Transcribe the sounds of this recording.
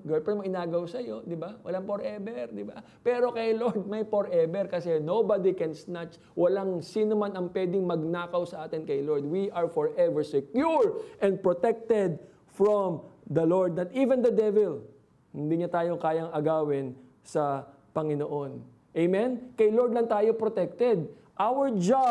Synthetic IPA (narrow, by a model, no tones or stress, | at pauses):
ɡopɛmoʔɪnaːɡɐwsɐjo̞d̪ɪbawɐ̰laŋpoɾʔɛbɛɹd̪ɪba | pɛːɾo̞kɐjloɹd̪̚mɐjpoɾʔɛbɛɹkɐsɛnowbad̪ikɛnsnat͡ʃ | wʔɐlaŋsinomanɐŋpwɛːd̪ɪŋmɐɡ̚naːkɐwsɐʔaːt̪ɪnkɐjloɹd̪̚wiʔɐɹfɔɹʔɛvɛɹsɛkjuɹʔɛ̃nd̪̚pɹot̪ɛk̚t̪ɛd̪̚ | fɹomd̪ɐloɹd̪̚nɐt̪ʔiːvɛ̃nd̪ɐd̪ɛvɛl | hɪnd̪iɲɐt̪aːjo̞kaːjɐŋɐɡaːwɪn | sɐ | pɐŋɪnoʔon | ʔejmɛnkɐjloɹd̪̚lɐnt̪aːjo̞pɾot̪ɛk̚t̪ɛd̪̚ | ʔawəɹd͡ʒa